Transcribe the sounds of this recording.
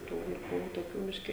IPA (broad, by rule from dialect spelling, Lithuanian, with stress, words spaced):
ˈtuː ʋɐɪˈkuː toːˈkʲuː ˈbʲɪʃʲkʲɪ